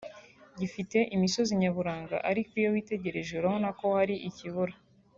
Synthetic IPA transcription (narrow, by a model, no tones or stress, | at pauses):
ɟifite̞ʔimiso̞ziɲaβuɾaːŋɡa̰ʔaɾikijowiːte̞ɟe̞ɾe̞ʒuɾahonako̞haɾiʔiciβuɾa